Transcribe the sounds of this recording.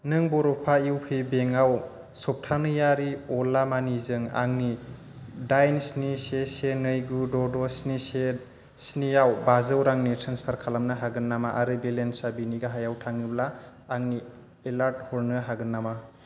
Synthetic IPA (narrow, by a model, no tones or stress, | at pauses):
nɯŋbɔɾɔpʰaiwpʰibeŋaw | sɔp̚tʰanɯjaɾiɔlamanizɯŋa̰ŋni | dajnsnisesenɯjɡudɔdɔsnise | snijawbazɯwɾaŋnitʰɾanspʰaɾkʰalamnaɦaɡɯnːamaʔaɾɯbelensabiniɡaɦajawtʰaŋiblaː | ŋni | elaɾt̚hɔɾnɯɦaɡɯnːama